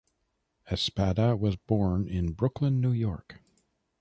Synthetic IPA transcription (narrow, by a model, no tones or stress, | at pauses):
ɨspæɾəwʌzbɔɹnɪ̃nbɹʊkʰlə̃nːʉjɔɹk